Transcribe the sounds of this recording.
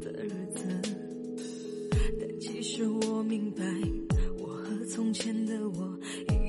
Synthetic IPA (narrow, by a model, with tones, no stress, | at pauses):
d̪ə˧ɻə˧˥d͡zɹ̩˧ | nə˨˧˩t͡ɕi˧˥ʂɻ̩˥˩wɔ˨˩mi˧˥ŋpa˧ɪwɔ˨˩xɤ˧˥t͡sʰʊ˥ŋt͡ɕʰjɛ˥nd̪ə˧˨wɔ˨˩ | i˧˩